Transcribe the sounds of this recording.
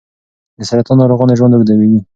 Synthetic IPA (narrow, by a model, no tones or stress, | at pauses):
d̪əsaɾat̪ɑnɑɾoɣɑneʒwand̪əɡd̪awewi